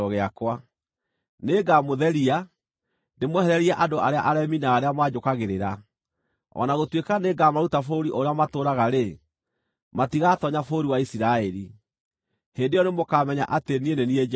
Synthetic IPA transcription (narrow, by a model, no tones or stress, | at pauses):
oɣeakwa | neːɡamoðɛɾia | ndemwɛhɛɾɛɾiaʔadoʔaɾea̰ʔaɾɛminaːɾeamwad͡ʒokaɣeɾeɾa | ɔ̰naɣotwekaneːɡamaɾutafoɾiʔoɾeamatoːɾaɣaɾe | matiɣatɔɲafoɾiwaisiɾaɛɾi | hendejɔnemokaːmɛɲa̰ʔatenienenied͡ʒ